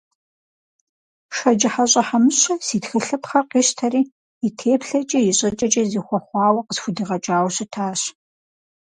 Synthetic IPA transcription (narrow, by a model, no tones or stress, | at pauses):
ʃɐd͡ʒɪħaɕʼɐħamɨɕɐsiːtxɐɬɨpχɐrqiːɕtʰɐriː | itʰeːpɬɐt͡ʃʼɐjɪɕʼɐt͡ʃʼɐt͡ʃʼɐziːxʷɔχʷɑːwɐqəsxʷʊdɨʁɐt͡ʃʼaːwɕɐtʰaːɕ